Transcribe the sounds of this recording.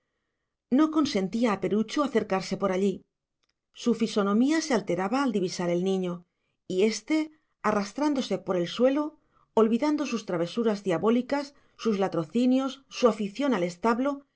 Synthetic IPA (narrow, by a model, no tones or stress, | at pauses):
no̞ko̞nse̞nt̪iaːpe̞ɾut͡ʃuaθe̞ɾkaɾse̞po̞ɾaʎi | sufiso̞nõ̞miasealt̪e̞ɾaβaːld̪iβisaɾe̞lnĩɲo̞ | ie̞st̪e̞ | arast̪ɾand̪o̞se̞po̞ɾe̞lswe̞lo̞ | olβiðand̪o̞sust̪ɾaβ̞e̞suɾazðjaβo̞likasː | uzlat̪ɾo̞θinjo̞sːuafiθjo̞nale̞st̪aβlo̞